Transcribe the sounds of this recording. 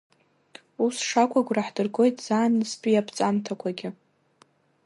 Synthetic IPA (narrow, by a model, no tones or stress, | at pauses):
usʂakʷʰʼaɡʷraħdɨrɡo̞jtʼz̥aːnɨspʼijapʰt͡sʼamtʰakʷʰaɡʲɪ